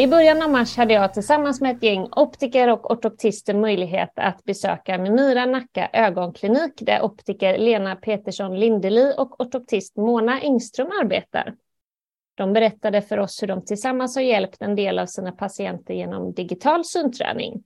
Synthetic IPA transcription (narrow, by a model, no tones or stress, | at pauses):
ɪbœɾjanavmaʂhad̪ːəjɑːt̪ʰɪlsamːansmɛɛt̪jɛŋːɔpt̪ɪkəɾɔkɔʈɔp̚t̪ʰɪst̪əmœjlɪɡɦḛːt̪a̰t̪bɛsø̰ːkamɛmyːɾanakːa̰ʔøːɡɔnkʰlɪniːkd̪æ̰ɾʔɔpt̪ɪkəɾleːnapʰeːt̪əʂɔnlɪnd̪əliːʔɔkɔʈɔp̚t̪ʰɪst̪moːnaʔɪŋst̪ɾɵmaɾbḛːt̪a̰ɾ | d̪̥ɔmbɛɾɛt̪ːad̪əfœɾɔshɵɖɔmt̪ʰɪlsamːanshaɾjɛlpt̪ɛnd̪eːlavsiːnapʰasɪɛnt̪əɾjeːnɔ̰md̪ɪɡɪt̪ʰɑːlsyːnt̪ʰɾɛ̰ːnɪ̰ŋ